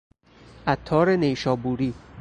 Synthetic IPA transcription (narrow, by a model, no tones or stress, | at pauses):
ʔæt̪ʰːɒːɾenejʃɒːbuːɾiː